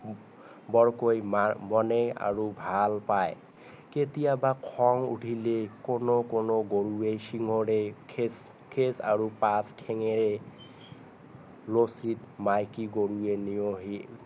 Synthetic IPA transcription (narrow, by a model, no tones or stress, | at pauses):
bɔɹkojmamɔnɛa̰ɹubʱalpaj | ketijabakʰɔŋṵʈʰilekonokonoɡoɹuejsiŋɔɹekʰes | kʰesa̰ɹupaskʰɛŋɛɹɛ | lositmajkiɡoɹuenijoɦi